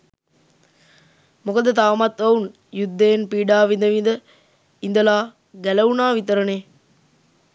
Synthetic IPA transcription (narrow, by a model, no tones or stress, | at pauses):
mukɐd̪ət̪aːmɐt̪ʋɐʋun | jud̪ːejːnpiːɖaːʋind̪ɐʋind̪ə | ind̪ɐlaː | ɡælɐʋunaːʋit̪ɐɾɐneː